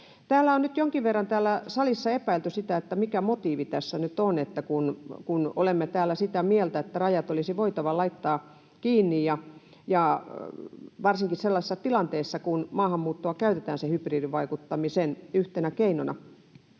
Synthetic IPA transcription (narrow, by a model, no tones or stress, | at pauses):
t̪æːlːæonnyt̪joŋkiʋʋerːɑnt̪æːlːæsɑlisːɑepæilt̪ysit̪æet̪ːæmikæmot̪iːʋit̪æsːænyt̪onet̪ːækunkunolemːet̪æːlːˑæsit̪æmielt̪æet̪ːærɑjɑt̪olisiʋoit̪ɑʋɑlɑit̪ːɑː | kiːnːijjɑ | jɑ | ʋɑrsiŋkisselːɑse̥sɑt̪ilɑnt̪eːsːɑkunmɑːhɑmːuːt̪ːoɑkæyt̪et̪æːnsehypriːdiʋʋɑikut̪ːɑmisenyht̪enækeinonɑ̰